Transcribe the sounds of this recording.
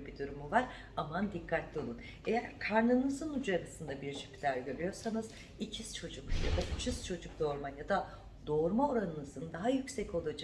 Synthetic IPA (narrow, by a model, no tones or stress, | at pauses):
ebid̪uɾumuvaɾ | amand̪ikʰːat̪d̪ʲolˠun | e̞jæɾkʰaɾnˠɯnɯzɯnud͡ʒaɾasɯnd̪abiɾʃi̥pʰlʲæɾɟøɾʲyjo̞ɾsanɯz̥ | icʰiz̥t͡ʃʰo̞d͡ʒukja̰d̪aʔyt͡ʃʰyz̥t͡ʃʰo̞d͡ʒuk̚d̪o̞ɾmanjad̪a | d̪̥o̞ɾmao̞ɾanɯnɯzɯnd̪aɦajycsɛcʰo̞lˠad͡ʒa